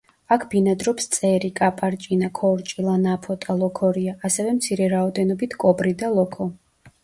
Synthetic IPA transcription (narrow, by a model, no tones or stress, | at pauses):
akʰb̥inad̪ɾɔpst̪sʼɛɾikʼapʼaɾt͡ʃʼinakʰɔɾt͡ʃʼilˠanapʰɔt̪ʼalˠɔkʰɔɾiaʔːsɛvɛmt̪sʰiɾɛɾaɔd̪ɛnɔbit̪ʰkʼɔbɾid̪alˠɔkʰɔ